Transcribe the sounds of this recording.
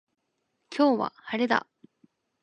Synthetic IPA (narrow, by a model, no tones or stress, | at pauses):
kʲʰoːβa̰haɾed̪a̰